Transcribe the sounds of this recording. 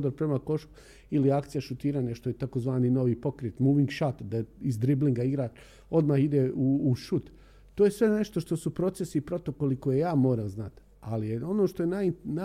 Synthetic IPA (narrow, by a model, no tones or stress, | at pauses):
d̪oɾpɾemako̞ʃku̥ | iliakt̪sijaʃut̪iːɾaːɲaʃt̪o̞jet̪akozʋaːnino̞ʋiːpo̞kɾeːt̪muːʋiŋɡʃat̪d̪aizd̪ɾibliŋɡaiɡɾaː | o̞d̪maxid̪euːʃut̪ː | oːje̞sʋe̞ne̞ʃt̪oʃt̪o̞supɾo̞t̪sesiːpɾo̞t̪o̞ko̞liko̞jejaːmo̞ːɾamznat̪ | alijeo̞noʃt̪ojenana